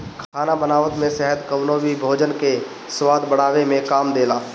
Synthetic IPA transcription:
kʰaːnabənaːʋət̪mẽsɛɦəd̪kɐʊnoːbibʱoːd͡ʒənke | swaːd̪bəɽ̤aːʋemẽkaːmd̪eːlaː

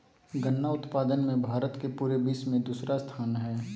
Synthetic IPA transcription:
ɡənːaʊt̪paːd̪ənmẽbʱaːɾət̪kepuːɾebiːsmẽd̪uːsɾast̪ʰaːnɦɛː

